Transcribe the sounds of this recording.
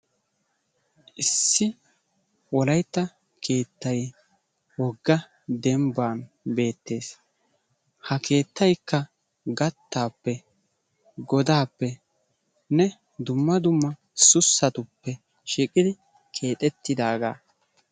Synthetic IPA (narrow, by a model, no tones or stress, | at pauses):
ʔɪsːɪ | wɔlɐjt̪ːɐ | kʰe̞ːt̪ːɐj | wɔɡːɐ | d̪ɛmbaːn | be̞ːt̪ːe̞ːs | hɐkʰe̞ːt̪ːɐjkːɐ | ɡɐt̪ːaːpːɛ | ɡɔd̪aːpːɛ | nɛ | d̪ʊmːɐd̪ʊmːɐ | sʊsːɐt̪ʊpːɛ | ʃiːkʼɪd̪ɪ | kʰe̞ːt̪ʼɛt̪ːɪd̪aːɡa̰ː